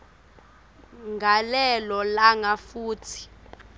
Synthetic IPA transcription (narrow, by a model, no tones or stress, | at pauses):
ŋɡʱalɛlɔlaŋafuːtʰi̥